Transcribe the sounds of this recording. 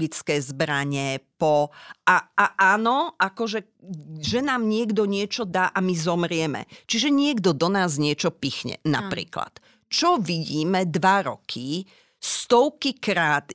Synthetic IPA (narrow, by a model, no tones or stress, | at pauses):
ɡit͡skɛjzbɾaɲɛpɔaaʔaːnɔʔakɔʒɛ | ʒɛnaːmɲɪɛɡd̪ɔɲɪɛt͡ʃɔd̪aʔamizɔmɾɪɛmɛ̰t͡ʃiʒɛɲɪɛɡd̪ɔd̪ɔnaːzɲɪɛt͡ʃɔpixɲɛ̰na̰pɾḭːkla̰t̪ | t͡ʃɔʋiɟiːmɛd̪ʋaɾɔkʰi | st̪ɔʊkikɾaːt̪